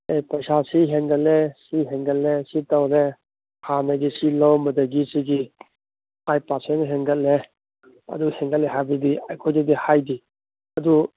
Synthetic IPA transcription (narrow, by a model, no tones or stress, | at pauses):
ejpɐsasiɦeŋɡət̚lesiɦeŋɡət̚lesitawne | hanaɡisilɔwmɐdaɡisiɡi | ajpasenɦeŋɡət̚le | ɐ̰duheŋɡaleɦabidia̰jkʰɔjdidihajdi | ɐdu